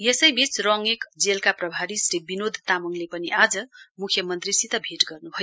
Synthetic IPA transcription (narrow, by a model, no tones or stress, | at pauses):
jesʌjbit͡srʌŋekd͡zelkaprʌbʱaɾisɾibinod̪ʱt̪amʌŋlepʌniad͡zʌmukʰjʌmʌnt̪risit̪ʌbʱeʈɡʌrnuɦʌj